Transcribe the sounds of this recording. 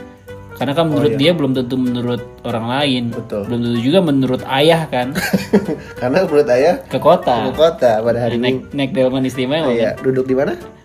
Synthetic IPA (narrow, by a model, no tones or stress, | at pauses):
karnakanmənuɾʊtt̪diabəlʊmt̪ənt̪̬umənuɾʊt̪̚oɾaŋlaɪnbət̪ʊlbəlʊmt̪ənt̪ud͡ʒuɡamənuɾʊt̪ajahkan | karnabuɾʊt̪ajahkəkot̪akəkot̪apadaɦaɾinɛk̚nɛk̚dalamanis̬t̪imajadudʊk̚dimana